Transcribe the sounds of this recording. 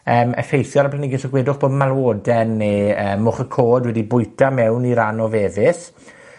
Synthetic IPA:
əːmɛ̰fejθjɔɾapʰlanɪɡɪsəɡweːdʊχb̥oːdmalˠwoːdɛnːeəːmʊχəkʰoːdwɛdibʊjtʰamɛwniɾanɔveːvɪθ

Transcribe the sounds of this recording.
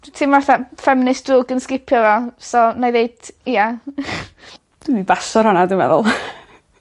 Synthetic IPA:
tʰɪmvaθafɛmnɪsd̥ʊːɡənskɪpʰjɔvɛlˠsɔnajðeɨd̥ija | d̥ɪmibasɔɾhʊnadɪmɛ̰ðʊ̰lˠ

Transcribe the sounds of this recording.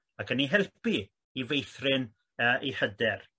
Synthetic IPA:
akʰənːiɦɛlˠpi | ivejθrɪn | əːʔihədɛr

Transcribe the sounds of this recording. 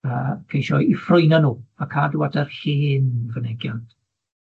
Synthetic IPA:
əːkʰejʃɔifrʊjnanuːakʰadwadɛrhiːnvənɛɡjant

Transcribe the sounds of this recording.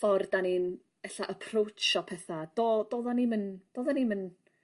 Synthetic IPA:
fɔrd̥anin | ɛɬaʔəpʰrowt͡ʃɔpʰɛθad̥oːdoːðanimənd̥oːðanimən

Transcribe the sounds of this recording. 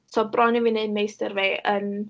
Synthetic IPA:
sɔbrɔnivɨneɨdmejstərveən

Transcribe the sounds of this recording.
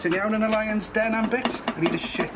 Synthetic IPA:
tʰə̃njawnənəlˠajə̃nsd̥ɛnãmbɪtɾiːdəʃɪ

